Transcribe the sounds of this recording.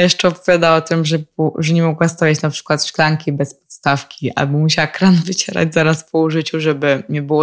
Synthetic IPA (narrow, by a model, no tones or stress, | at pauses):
jɛʂt͡ʂɛɔpɔvʲjad̪aɔt̪ɘmʐɛb̚uʐɛɲɛmɔɡwast̪ajat͡ɕnapʂɘ̥kwat̪ʂklaŋkʲibɛspɔ̥t̪st̪afkʲiʔa̰bɘmuɕakɾanvɘt͡ɕɛɾa̰d͡ʑzaɾaspɔuʐɘt͡ɕuʐɛbɘɲɛbɘwɔ